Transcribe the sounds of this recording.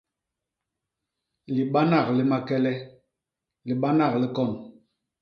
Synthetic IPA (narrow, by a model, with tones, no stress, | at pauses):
li˨ɓa˦na˨kli˦ma˦kɛ˦lɛ˦ | li˨ɓa˦na˦˨kli˦kɔ˦˨n